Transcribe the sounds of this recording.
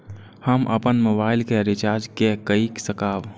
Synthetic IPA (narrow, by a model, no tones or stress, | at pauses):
həmʔə̰pənmoːbaːɪlkeɾɪt͡ʃaːɾd͡ʒkekəiksəkaːʋ